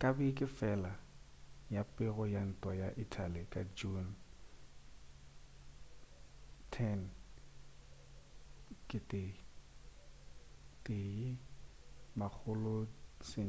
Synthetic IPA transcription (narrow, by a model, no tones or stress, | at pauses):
kʼabikʼɪfɛla | japʼɪɣɔjan̩tʼwɔjaʔitʰalɪkʼad͡ʒun | tʰɛn | kʼɪtʼɪ | tʼɪ | mak͡xʰʊlʊsɪ